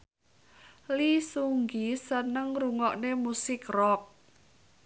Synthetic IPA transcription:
lisuŋɡisənəŋruŋɔʔnemusɪkrɔk̚

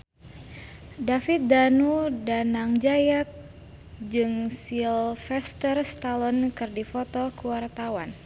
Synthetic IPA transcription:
dafit̪̚danudanaŋd͡ʒajak̚ | d͡ʒɨŋsilfɛst̪ərst̪alɔnkɨrdifɔt̪ɔkəwart̪awan

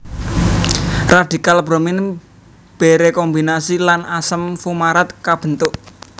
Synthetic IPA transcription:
rad̪̥i̤kalb̥ɾomɪn | b̥e̤ɾekɔmbinasilanasəmfumaɾat̪̚kab̥ə̤nt̪ʊʔ

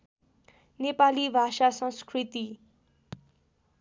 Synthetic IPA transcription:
nepalibʱasasʌ̃nskrit̪i

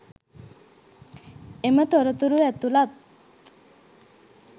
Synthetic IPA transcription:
emət̪oɾət̪uɾuɛt̪ulat̪

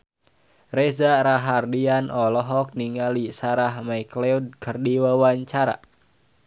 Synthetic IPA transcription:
rezaɾaɦardianɔlɔɦɔk̚niŋalisaɾahmaiklɛud̚kʰərdiwawaɲt͡ʃaɾa̰

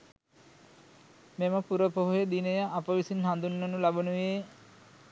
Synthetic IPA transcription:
meməpuɾəpoɦojed̪inejəʔapəʋisinɦand̪unːonulabonuʋe

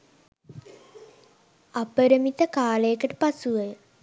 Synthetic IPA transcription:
ɐpəɾəmit̪əkaːləjekəʈəpasuəjə

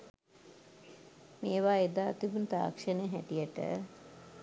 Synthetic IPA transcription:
meːʋaːed̪aːt̪ibunt̪a̰ːkʂəneɦæ̰ʈijəʈə̰

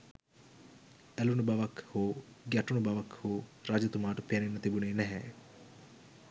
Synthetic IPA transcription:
ælunubaʋakhoːɡæʈunubaʋakhoːɾad͡ʒɐt̪umaːʈəpijanenːɐt̪ibuneːnæɦɛ

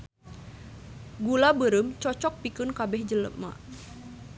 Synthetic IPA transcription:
ɡulabəɾəmt͡ʃɔt͡ʃɔk̚pikɨnkabɛhd͡ʒələ̰p̚ma̰

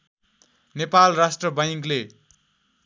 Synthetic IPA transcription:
nepalrasʈrʌbʌjkle

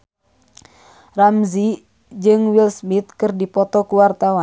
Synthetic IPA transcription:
ramzi | d͡ʒɨŋwilsmit̪̚kɨrdipɔt̪ɔkuwart̪awa

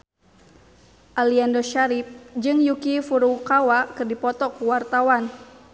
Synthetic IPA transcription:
ʔaliandoʃaɾɪp̚d͡ʒɨŋjukifuɾukawakɨrdipɔt̪ɔkuwart̪awan

